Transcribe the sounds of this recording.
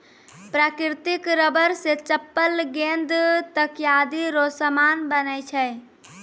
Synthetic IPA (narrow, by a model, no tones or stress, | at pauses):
pɾakɾt̪ikɾəbəɾset͡ʃəpːəlɡend̪t̪əkjad̪iɾosəmanbənəjt͡ʃʰɛj